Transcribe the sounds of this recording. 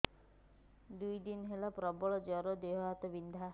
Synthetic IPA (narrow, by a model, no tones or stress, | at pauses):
d̪ujd̪inɦelapɾɔbɔɭɔd͡ʒɔɾɔd̪eɦɔɦat̪ɔbind̪ʱa